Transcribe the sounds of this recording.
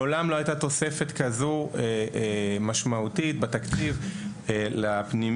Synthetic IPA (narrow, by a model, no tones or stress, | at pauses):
olamloajt̪at̪o̞se̞fet̪kazue | maʃmaut̪it̪̚bet̪akt͡siv | elapni